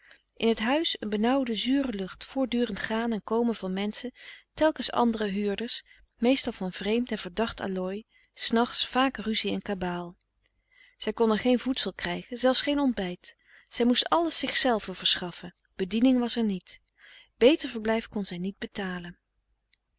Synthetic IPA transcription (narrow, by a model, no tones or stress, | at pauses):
ʔɪnɦətɦœɥsənbənɑwdəzyːrəlɵχtfʊːɹdyːrəntχaːnɛnkowmənvɑnmɛnsətɛlˠkənsɑ̰ndərəɦyːɹdəɹs | mejstɑlˠvɑnvrejmtɛnv̥əɹdɑχtʰa̰lɔj | snɑχtsfaːkryziɛnkabaːlˠ | z̥ɛjkɔndənχejnvutsəlˠkrɛjχənzɛlˠfsχejnɔnd̚bɛjt | z̥ɛjmustɑləsɪχsɛlˠvəv̥əɹsχɑfən | b̥ədinɪŋʋɑsɛɹnit | b̥ejtəɹvəɹblɛjfkɔnzɛjnid̚bətaːlən